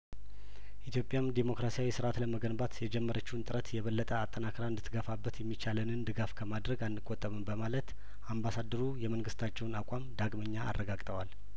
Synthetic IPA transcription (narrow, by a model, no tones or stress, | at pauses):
ʔit̪jo̞pʼjamd̪emo̞kɾasijawisɨɾat̪ləməɡənbat̪jɛd͡ʒɛmːəɾət͡ʃːɪhnt̪ʼɨɾət̪jɛβəlːət̪ʼəat̪ʼːənakʰɾaɨnd̪ɨt̪ʰːɨɡəfabːət̪jɛmːit͡ʃalənɨnd̪ɨɡafkʰəmad̪ɾəɡanːɨkʼːot̪ʼːəmɨnbəmalət̪ | ʔambasad̪əɾujɛməŋɡɨst̪ʰat͡ʃːɛwnakʷʼamd̪aɡməɲːa̰ːrːəɡaɡt̪ʼʰəwal